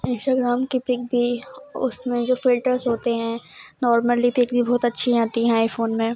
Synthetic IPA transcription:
ɪ̃nsʈaːɡɾaːmkipɪk̚bʱiʊ̰smẽd͡ʒoːfɪlʈəɾzɦoːt̪eɦɛ̃nɔːɾməlipɪkbʱibɔːt̪ɐtːʃʰiaːt̪iɦɛ̃aːifoːnmẽ

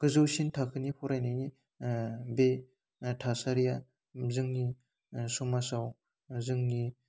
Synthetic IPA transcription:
ɡ̥ɯzɯwsintʰakʰɯnipʰɔɾajnajni | be | tʰasaɾija | zɯŋni | sumasaw | zɯŋni

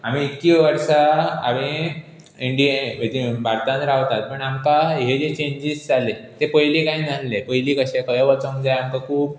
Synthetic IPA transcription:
amiːkiʋəɾʂaa̰ʋi | iɳɖiʋed̪ibʱaɾt̪ãnt̪ɾaʋt̪at̪̚pəɳamkaɦed͡ʑet͡ɕẽɲd͡ʑisd͡zalet̪epəjlikajnəllepəjliːkəɕẽkəjəʋət͡səŋɡd͡zajamkakʰuːb

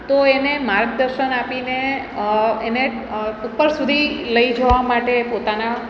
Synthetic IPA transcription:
t̪oenemaɾɡ̚d̪əɾʃənapine | ene | upːəɾsud̪ʱiləid͡ʒəʋamaʈepot̪ana

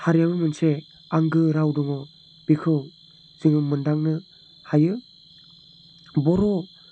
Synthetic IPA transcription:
haɾijamɯmɯnse | aŋɡɯɾawdɔŋɔ | b̥ikʰɯw | z̥ɯŋɯmɯndaŋnɯ | hajɯ | bɔɾɔ

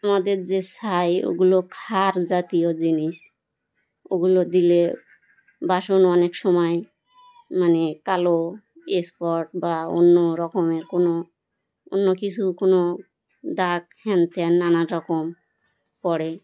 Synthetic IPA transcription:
amad̪eɾzesajo̰ɡulokʰaɾzat̪ijod͡ʑiniʃ | o̰ɡulod̪ile | baʃonɔnekʃɔmɔj | manekalo | espɔɾʈbao̰nːoɾɔkomeɾkono | o̰nːokit͡ɕʰukono | d̪akhɛnt̪ʰenːanaɾɔkom | pɔɽe

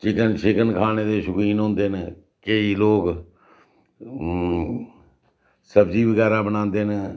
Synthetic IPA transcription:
t͡ʃɪkənt͡ʃʰɪkənkʰaːneːd̪eːʃʊkiːnɦõːnd̪eːn | keiːloːk | səbziːbəɡɛːɾaːbəñãːnd̪eːn

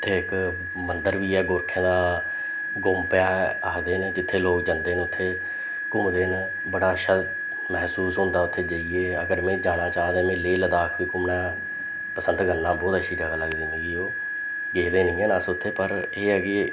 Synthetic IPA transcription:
eːɪk | mənd̪əɾʋiːɛːɡʊɾkʰẽːd̪aː | ɡʊmpɪjaːaːd̪eːnd͡ʒɪt̪ʰːeːloːkd͡ʒənd̪eːnʊt̪ʰːeː | kʊmd̪eːn | bəɽaːʃə | məɦsuːsɦʊ̃ːnd̪aːʊt̪ʰːeːd͡ʒəieːəɡəɾmẽːd͡ʒaːñaːt͡ʃaːd̪eːmẽːleːləd̪aːkʰʋiːkʊmnaː | pəsə̃nd̪ɡənːaːbɔːt̪ət͡ʃʃʰiːɾaɡaːləɡd̪iːnẽɡiːoː | ɡeːd̪eːnɪ̃ːɡeːnaːsʊt̪ʰːeːpəɾ | eːɡeː

